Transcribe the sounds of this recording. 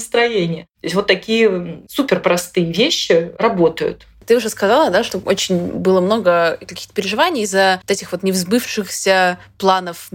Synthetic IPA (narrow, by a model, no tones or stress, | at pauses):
st̪ɾɐjenʲɪjət̪osʲtʲvot̪ːɐkʲijəsupʲɪrpɾɐst̪ɨjəvʲeɕːɪrɐbo̞t̪əjʊ̰t̪ | t̪ɨʊʐɛskɐzalˠəd̪aʂt̪oʔot͡ɕɪnʲbɨlˠəmno̞ɡəkɐkʲi̥xt̪əpʲɪɾʲɪʐɨvanʲɪjɪzːət̪ɛtʲɪxvo̞t̪nʲɪvzbɨfʂɨxsʲəplˠanəf